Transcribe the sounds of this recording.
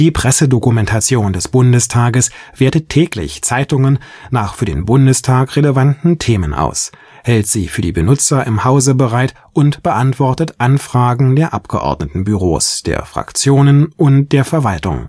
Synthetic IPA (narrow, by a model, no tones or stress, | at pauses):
d̥iːpʁ̥ɛsədokumɛntʰat͡sjoːndɛsb̥ʊndəstʰaːɡəsv̥eːɐtətʰːɛːklɪ̰çt͡saɪtʊŋənnaːχfyːɐdḛːnbʊndəstʰaːkʁeləvantn̩tʰeːmənʔa̰ʊs | hɛltz̥iːfyːɐdiːbənʊt͡sɐɪmhaʊzəbəʁaɪt | ʔʊntb̥əʔantv̥ɔɐtətʔanfʁ̥aːɡŋ̩deːɐʔapɡ̥əʔɔ̰ɐdnətn̩byʁo̰ːsd̥ḛːɐfʁ̥a̰kt͡sjoːnənʔʊnt̚d̥eːɐfɛɐvaltʊ̰ŋ